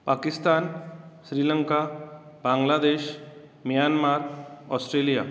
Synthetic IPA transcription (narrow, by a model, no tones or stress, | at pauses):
pakist̪anɕɾiːləŋka | bãŋɡlad̪eɕ | mijanmaɾɔsʈɾelija̰